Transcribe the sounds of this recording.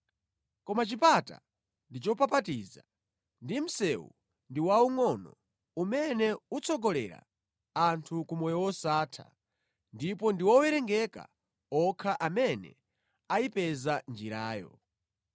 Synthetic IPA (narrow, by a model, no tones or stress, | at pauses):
kɔmat͡ʃipata̰ | ndit͡ʃɔpapatiza | ndim̩sɛwṵ | ndiwauŋɔnɔ | umɛnɛut͡sʰɔɡɔlɛ̰ɾa̰ | antʰukumɔjɔwɔsaːtʰa̰ | ndipɔndiwɔwɛɾɛŋɡɛka̰ | ɔkʰaʔamɛnɛ̰ | ajipɛzand͡ʒiɾaːjɔ̰